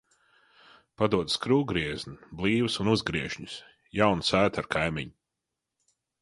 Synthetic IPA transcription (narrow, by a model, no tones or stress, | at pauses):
pad̪uɔd̪skɾuːɡɾiɛzniblˠiːwɨsunuzɡɾiɛʃɲus | jawnsæːt̪aɾkʰajmʲiɲ